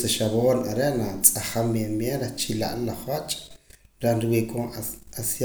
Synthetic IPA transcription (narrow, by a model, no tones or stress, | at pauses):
seʃaβoːnaɾeʔnat͡sʼaχamːenmjeɾet͡ʃila̰ʔnlaχwat͡ʃʼɾenɾiwekʼoːasj